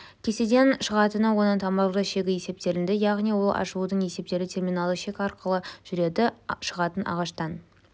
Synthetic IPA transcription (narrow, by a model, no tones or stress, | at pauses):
kʲʰe̞se̞d̪e̞nʃəʁɑt̪ənəwo̞nɑnt̪ʰɑmɑɾlˠʁɑʃe̞ɡʲɪjese̞p̚t̪e̞ɾɪnd̪ɪjɑʁnijwo̞lˠʔɑ̰ʃəud̪əɴe̞se̞p̚t̪e̞ɾɪt̪ʰe̞rmʲijnɑlˠəʃe̞kʲɑɾqʰəlˠəʒ̥ʏɾe̞d̪ɪʃəʁɑt̪ənɑ̰ʁɑʃt̪ɑn